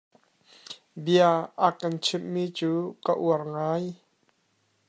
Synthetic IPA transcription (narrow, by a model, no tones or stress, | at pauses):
biaʔakɐnt͡sʰɪmːiːt͡suːkaʔuərŋaːj